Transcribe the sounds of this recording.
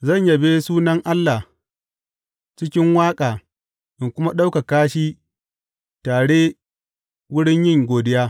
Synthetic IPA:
zɐ˦˨ɲja˨be˦suː˦nɐ˦ŋʔa˦lːa˨ | t͡ʃɪ˦kʲɪ˦ŋwaː˦kʼaː˨ | ʔɪ˨ŋkʷʊ˦ma˦ɗa˦wka˨kaː˦ʃiː˦ | taː˨ɽeː˦ | wʊ˦ɽɪ˦ɲjɪ˦˨ŋɡʷoː˨dɪ˦jaː˦

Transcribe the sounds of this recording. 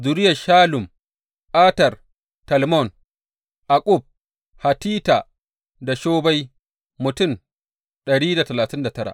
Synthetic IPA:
zʊ˨ɾɪ˦jɐ˨ʃaː˦lʊ˨m | ɓaː˦tɐ˨r | tɐ˨lmɔ˦˨n | ʔa˨kʼʊ˦˨b̚ | ha˨tiː˦ta˨ | da˨ʃoː˦ba˦j | mʊ˨tʊ˦˨n | ɗɐ˨ɽiː˦da˨tɐ˨laː˨tɪ˦nda˨tɐ˦ɽa̰˨

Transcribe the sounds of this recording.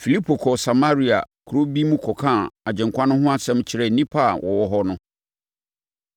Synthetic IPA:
fi˨li˦pʰo˨kʰɔ˨sa˨ma˦ɾi˨a̰˨ | kʰu˨ɾo˦bi˦mũ˦kʰɔ˨kʰã˦˨a˨d͡ʑɛ̃˨ŋkʷʰã˦nʊ̃˦ɦʊ̃˦a˦sɛ̃˦mt͡ɕʰɪ˨ɾɛ˦˨nĩ˦pʰa˦˨wʔɔ˨wɔ˦ɦɔ˦nʊ̃˦

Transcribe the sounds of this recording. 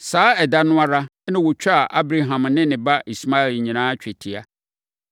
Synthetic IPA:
saː˦ɛ˨da˦nʊ̃˦a˦ɾa˦nɪ̃˦wʊ˨t͡ɕᶣa˨ʔa˦bɾa˦ɦã˨mnɪ̃˦nɪ̃˨ba˦ʔi˨sma˦ɪ˨lɲĩ˨nãː˦t͡ɕᶣɛ˨tʰi˨a˦

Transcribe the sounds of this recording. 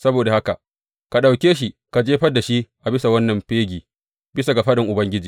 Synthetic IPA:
sɐ˦boː˨da˨ha˦ka˨ | ka˨ɗa˨wkʲeː˦ʃ̬i˦ka˨d͡ʒeː˦ɸɐ˦dːa˨ʃi˦ʔa˨bɪ˦sa˨wɐ˦nːɐ˨mɸeː˦ɡʲiː˨ | bɪ˦sa˨ɡa˨ɸɐ˦ɗɪ˨ŋʔʊ˨bɐ˦ŋɡʲɪ˦d͡ʒiː˨

